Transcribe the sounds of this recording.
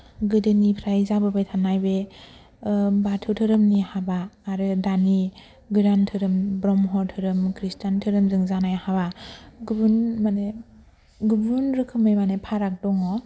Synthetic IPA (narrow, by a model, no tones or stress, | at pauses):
ɡɯdɯnipʰɾajzabɯbajtʰanajbe | batʰɯwtʰɯɾɯmnihabaːɾɯdani | ɡɯɾantʰɯɾɯmbɾɔmɦɔɾtʰɯɾɯmkʰɾistantʰɯɾɯmzɯŋzanajhaβaɡɯbunmane | ɡɯbɾunɾɯkʰɯmɯjmanepʰaɾak̚dɔŋɔ